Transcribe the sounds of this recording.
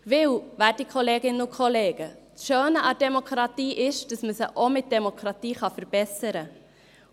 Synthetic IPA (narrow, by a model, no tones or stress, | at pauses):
ʋɪlʋæːt̚ikʰχoleːɡɪnəʊkʰɔleːɡ̥əsʃøːnəʔɑd̥ɛmokɾɑtiːʔɪʃd̥ɑsməsəʔomɪt̚d̥ɛmokɾɑt̪iːχɑfəɾb̥ɛsəɾə